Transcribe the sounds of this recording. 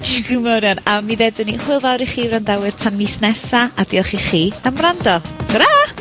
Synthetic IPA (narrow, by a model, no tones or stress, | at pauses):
ɡəmɛɾjanamiðɛdənihʊɨlˠvawɾiχiːɾandawɨr̥tʰanmisnɛsaadiːlˠχiχiːəmrandɔɡ̥əɾa